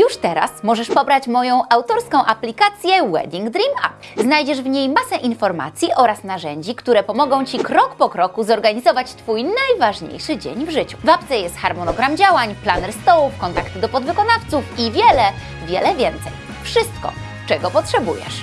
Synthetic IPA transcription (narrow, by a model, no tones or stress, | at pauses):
juʂt̪ɛɾa̰smɔʐɛʂpɔbɾat͡ɕmɔjɔ̃w̃awt̪ɔɾskɔ̃w̃ʔaplʲikat̪sʲjɛwɛ̰d̪ʲiŋɡd̪ɾima̰pznajd͡ʑɛʐvɲejmasɛʔinfɔɾma̰t̪sʲjiʔɔɾasnaʐɛɲd͡ʑikt̪uɾɛpɔmɔɡɔ̃w̃t͡ɕikɾɔkpɔkɾɔkuzɔɾɡaɲizɔvat͡ɕt̪fujnajvaʐɲḛjʂɘd͡ʑḛɲvʐɘt͡ɕu̥vap̚t̪sɛjɛst̪xaɾmɔnɔɡɾamd͡ʑawaɲplanɛɾst̪ɔwufkɔnt̪akt̪ɘd̪ɔpɔd̪vɘkɔnaft̪sufivʲjɛlɛ | vʲjɛlɛvʲjɛnt̪sɛ̰j | fʂɘst̪̚kɔ̰ | t͡ʂɛɡɔpɔtʂɛbujɛ̰ʂ